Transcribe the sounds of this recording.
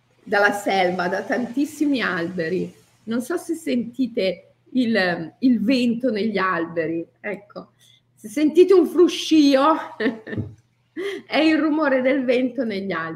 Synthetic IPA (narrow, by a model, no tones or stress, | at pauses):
d̪alːasɛlvad̪at̪ant̪isːimialbeɾi | nonsɔsesːent̪iːt̪e | ililvent̪oneʎːialbeɾi | ɛkʰːo | sesːent̪iːt̪euɱfɾuʃːiːo | ɛilrumoːɾed̪elvɛent̪oneʎːal